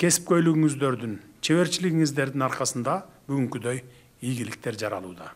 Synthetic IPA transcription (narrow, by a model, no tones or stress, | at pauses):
kʲʰe̞si̥p̚kø̞jlyɡyŋyzd̪ø̞ɾd̪yn | t͡ʃʰe̞βe̞ɾt͡ʃiliɡiŋizd̪e̞ɾd̪inɑɾqɑsɯnd̪ɑbyɡyŋkyd̪øj | ijɡilɪk̚t̪e̞ɾd͡ʒɑɾɑ̰lˠṵːd̪ɑ̰